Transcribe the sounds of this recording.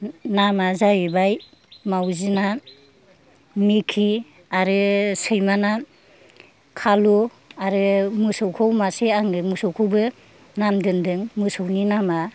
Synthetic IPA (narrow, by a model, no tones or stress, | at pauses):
namazajibaj | mawzina | mikʰi | aɾɯsɯjmana | kʰalu | aɾɯmɯsɔwkʰɔwmaseaŋɯmɯsɔwkʰɯwbɯ | namdɯndɯŋmɯsɯwninama